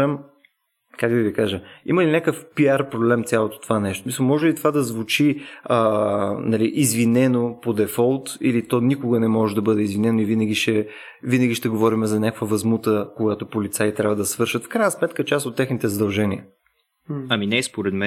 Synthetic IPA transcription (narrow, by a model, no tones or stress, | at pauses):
əm | kakd̪ɐvikaʒəḭməlinʲakəfpiaɾpɾoblɛmt̪sʲjalˠot̪o̥t̪ovanɛʃt̪osmisəlˠmɔʒɛlit̪ovad̪ɐzvut͡ʃiənɐliʔizvinɛnopod̪ɛfɔlˠt̪ḭlit̪ɔnikoɡənɛmɔʒɛd̪ɐbɤd̪ɛizvinɛnoivinəɡʲiʃɛ | vinəɡʲiʃt̪ɛɡovɔɾimɛzɐnʲakkvəvɐzmut̪əkoɡat̪opolit̪sait̪ɾʲavəd̪ɐsvɤɾʃət̪fkɾajnəsmɛt̪kət͡ʃasot̪ːɛxnit̪ɛzɐd̪ɐlˠʒɛnʲiə̰ | ɐminɛːspoɾɛt̪mɛ